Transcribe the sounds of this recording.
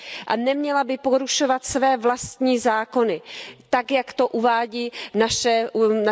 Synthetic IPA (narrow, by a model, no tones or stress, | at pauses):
ʔa̰nɛmɲɛlabɪpoɾuʃo̞vat̪svɛːvlast̪ɲiːzaːko̞nɪt̪akjakt̪o̞ʔuvaːɟiːnaʃɛna